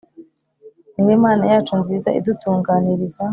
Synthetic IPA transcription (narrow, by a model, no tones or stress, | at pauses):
nijemaːnajaːt͡ʃunziːza̰ʔḭd̪utuːŋɡaːniɾiza